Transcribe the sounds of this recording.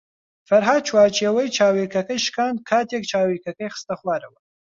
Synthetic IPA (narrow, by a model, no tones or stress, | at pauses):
fɐɾɦaːd̪̚t͡ʃʰwaːt͡ʃʰeːwɐjt͡ʃʰaːwekɐkɐjʃkʰaːnd̪̚kʰaːt̪ʰek̚t͡ʃʰaːwekɐkɐjxɨ̥st̪ɐχwaːɾɐwɐ